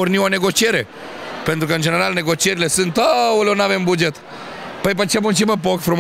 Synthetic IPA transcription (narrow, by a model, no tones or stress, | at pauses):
urnione̞ɡo̞t͡ʃie̞ɾe̞ | pent̪ɾukəɨnd͡ʒe̞ne̞ɾalne̞ɡo̞t͡ʃie̞ɾile̞sɨnt̪aulonave̞mbud͡ʒe̞t̪ | pəjp̬ət͡ʃemunt͡ʃiməp̬okfɾum